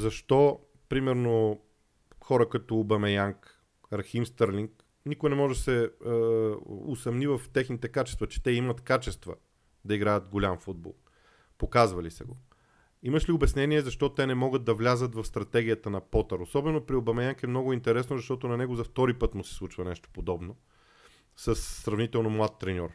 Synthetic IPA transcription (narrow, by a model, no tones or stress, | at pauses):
zɐʃt̪ɔ | pɾimɛɾno | xɔɾəkɐt̪oːbɐmɛjaŋk | ɾximst̪əɾlʲiŋk | nikʊjnɛmɔʒsɛ | osɐmnivɐft̪ɛxnit̪ɛkat͡ʃɛst̪vɐt͡ʃɛ̥t̪ɛimɐt̪kat͡ʃɛst̪və̰ | d̪ɐiɡɾajət̪ɡolʲamfud̪̚bo̰lˠ | pokazvɐlisɛ̰ɡo | imɐʃliʊbɛsnɛniɛzɐʃt̪ɔt̪ɛnɛmɔɡət̪̚d̪ɐvlʲazət̪vɐfst̪ɾɐt̪ɛɡʲijət̪ənɐpɔt̪əɾosɔbɛnopɾiobɐmɛjaŋkɛmnɔɡʊint̪ɛɾɛsnozɐʃt̪ɔt̪ʊnɐnɛɡozɐft̪ɔɾipɤt̪mʊsɛ̥slˠut͡ʃvɐnɛʃt̪o̥pod̪ɔbno | səsːɾɐvnit̪ɛlˠnomlˠat̪ːɾɛnʲɔɾ